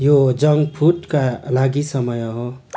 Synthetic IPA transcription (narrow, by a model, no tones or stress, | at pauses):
jod͡ʒʌŋɡpʰuʈkalaɡisʌmʌjɦo